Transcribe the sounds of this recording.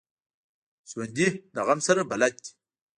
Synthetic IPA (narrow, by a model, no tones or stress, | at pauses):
swand̪inaʁamsɐɾəbalat̚ʲ